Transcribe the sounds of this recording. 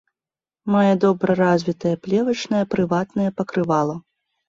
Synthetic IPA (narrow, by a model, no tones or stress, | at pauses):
majɐd̪ɔbɾɐɾazʲvʲit̪ɐjɐplʲɛvɐt͡ʂnɐjɐpɾɨvat̪nɐjɐpɐkɾɨvalˠu